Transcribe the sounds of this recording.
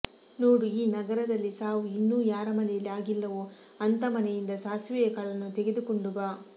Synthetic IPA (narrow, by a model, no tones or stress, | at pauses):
noːɾuiːnɐɡɐɾɐd̪ɐlːisaːʋuinːuːjaːɾɐmɐnɛjɐlːiaːɡilːɐʋo | ɐnt̪ɐmɐnɛjind̪ɐsaːsʋɛjɐkɐɭɐnːut̪eɡe̞d̪ukoɳɖubaː